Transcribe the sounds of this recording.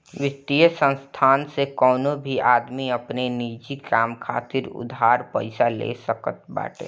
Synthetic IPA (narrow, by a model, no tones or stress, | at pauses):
ʋɪt̪ːijəsə̃nst̪ʰaːnsekɔːnobʱiaːd̪miəpneniːd͡ʒikaːmkʰa̰ːt̪ɪɾʊ̰d̪ʱɦaːɾpəɪsalḛsəkət̪̚ba̰ːʈḛː